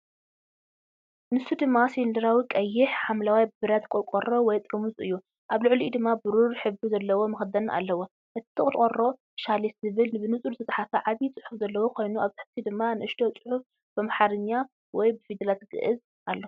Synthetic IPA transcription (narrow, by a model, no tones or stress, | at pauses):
nɨsud̪ɨmːasilind̪ɐɾawikʼɐjːɪħħamlawabbɨɾat̪kʼɔkʼoro̞wɔjt̪ʼɾɨmuzʼɨ̰jːu | ʔaβlɨʕlid̪ɨmːabɨɾuɾħɨbuzɐlːɐwo̞mɐxɨd̪ɐnʔa̰lːɐwo | ʔɨt̪ʰt̪ʰɨkʼɨɾkʼoro̞ | ʃaliszɨβɨlnɨbɨnɨt͡sʼuɾt̪ʰɐt̪ʼħafɐʕaβit͡sʼɨħufzɐlːɐwokʰo̞jnuʔaβt̪ɨħɨ̥ft̪ʰid̪ɨmːanɨʔɨʃt̪ʰo̞t͡sʼɨħuf | bɨmaħaɾɨɲːa | wɔjbɨfid̪ɐlat̪ɡɨ̰ʔɨz | ʔalːo